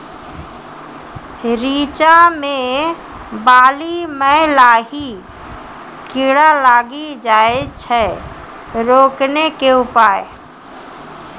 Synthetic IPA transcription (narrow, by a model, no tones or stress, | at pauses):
ɾiːt͡ʃamẽ | baːliməlaːɦi | kiɽalaːɡid͡ʒaːet͡ʃʰɛ | ɾoːknekeʊpaːe